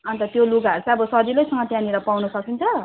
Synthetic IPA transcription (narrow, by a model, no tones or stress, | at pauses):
ʌnt̪ʌt̪joluɡaʌɾt͡sʰaʌbʌsʌdilʌjsʌŋɡʌt̪jãniɾʌpawnusʌkint͡sʰʌ